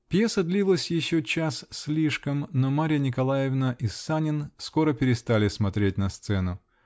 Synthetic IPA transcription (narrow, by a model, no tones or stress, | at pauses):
pʲjesəd̪lʲivlˠəsʲjɪɕːot͡ɕassʲlʲiʂkəmnomaɾʲɪjənʲɪkɐlˠajɪvnəʔisːanʲɪnsko̞ɾəpʲɪɾʲɪst̪alʲɪsmɐt̪ɾʲet̚ʲnɐst̪sɛnʊ